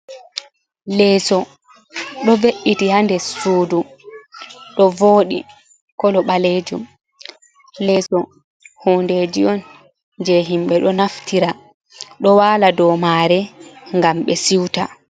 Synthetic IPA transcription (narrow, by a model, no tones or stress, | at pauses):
lɛːsɔ | ɗɔveʔːitihandɛsuːdu | ɗɔvoːɗḭ | kɔlɔɓaled͡ʒum | lɛːsɔ | hunded͡ʒiɔn | d͡ʒɛɦimɓɛɗɔnaftʰiɾa | ɗɔwaːladɔmaːɾɛŋɡamɓɛsiwta